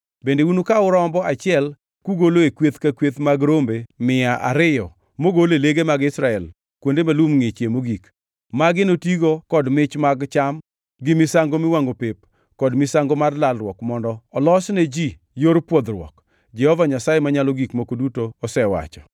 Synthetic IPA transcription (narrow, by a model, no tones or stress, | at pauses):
bendeunukaʊɾɔmbɔat͡ʃɪɛl | kuɡoloekwet̪kakwet̪maɡɾombemɪaʔa̰ɾɪjɔ | moɡoleleɡemaɡɪsɾaɛl | kwondemalumŋet͡ʃemoɡik | maɡɪnotiɡokɔdmɪt͡ʃmaɡt͡ʃam | ɡɪmɪsaŋɡomɪwaŋopep̚ | kɔdmɪsaŋɡomarlalɾwɔkmɔndɔːlɔsned͡ʒi | joɾpwɔd̪ɾwɔ̰k | d͡ʒɛhɔvaɲasajemaɲalɔɡikmokodutoːsɛwa̰t͡ʃɔ̥